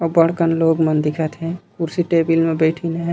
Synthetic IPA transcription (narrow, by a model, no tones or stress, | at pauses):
ɔbəɽ̤kənloːɡmənd̪ɪkʰət̪ɦɛ̃kuɾsiʈeːbilmẽbeɪʈʰineɦɛ̃